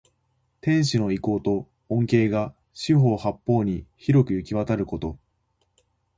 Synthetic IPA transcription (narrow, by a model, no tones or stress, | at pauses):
t̪ẽ̞ɰ̃ɕino̞iko̞ːt̪o̞ | õŋke̞ːɡa | ɕiɦo̞ːhapːo̞ːɲ̟içiɾo̞kɯ̟jɯ̟kʲiβ̞at̪aɾɯ̟ko̞t̪o̞